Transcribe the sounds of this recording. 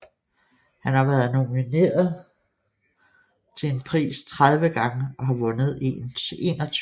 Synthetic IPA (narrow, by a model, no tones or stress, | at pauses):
hænhɑ̈ʋæɐð̞̩ˠno̝mine̝̰ːɐð̩ˠ | t͡sʰe̝e̝npʰʁḭːst͡sʰʁaðˠʋəɡ̥ɑ̈ŋəɒ̽ɦɑ̈ʋɔ̽nð̞̩ˠe̝̰ne̝ːnɒ̽t͡sʰ